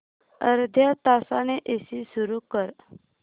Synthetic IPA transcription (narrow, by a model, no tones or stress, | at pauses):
ə̰ɾd̪ʱjat̪asaneʔesisuɾukəɾ